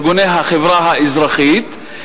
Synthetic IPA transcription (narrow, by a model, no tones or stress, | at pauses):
ɡunejɦaχevɾaɦaizɾaχit̪